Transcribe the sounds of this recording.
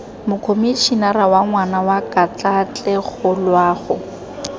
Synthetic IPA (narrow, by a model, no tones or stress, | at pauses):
mʊkʰomit͡ʃʰinarawaŋwanawakʼat͡ɬʼat͡ɬʼɛɣʊlwaːɣʊ